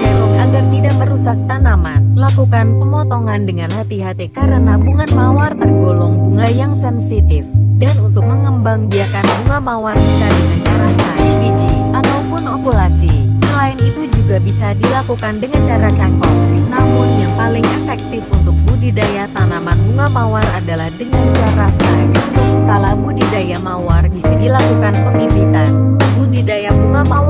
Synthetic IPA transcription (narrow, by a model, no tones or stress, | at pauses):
ɡolɔŋaɡart̪idaʔ̚məɾusak̚t̪anaman̚lakukanpəŋɔt̪ɔŋandəŋanhat̪iɦat̪ekaɾənabuŋanmawart̪ərɡolɔŋbuŋajaŋsɛnsit̪ɪfdanunt̪ʊk̚məŋəmbaŋbiakanbuŋamawarbikadəŋant͡ʃaɾasaifid͡ʒiʔat̪awpʊnopulasisəlaɪnit̪ud͡ʒuɡabisadilakukandəŋant͡ʃaɾat͡ʃaŋkɔpinamʊnjaŋpalɪŋʔɛfɛk̚t̪ɪfunt̪ʊk̚budidajat̪anamanbuŋamawaradalahdəŋant͡ʃaɾasasə̥kalamudidajamaward͡ʒisidilakukanpəŋibit̪anbudidajabuŋama